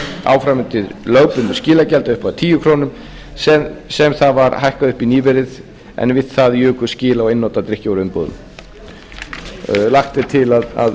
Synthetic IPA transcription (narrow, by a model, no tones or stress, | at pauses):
a̰wfɾamɪnt̪ɪðløːwpʏnʏscɪːlacɛlt̪aʏhpaðt̪ʰiːjʏkʰɾoːnʏm | sɛsɛmθaðvaɾhajhkaðʏhpiniːvɛɾɪð | ɛ̰nvɪt̪θaðjʏːkʏscɪːlaɔɪnːowt̪at̪ɾɪhcowɾʏnpoːðʏ̰m | laxt̪ɪt̪ʰɪlaða̰ð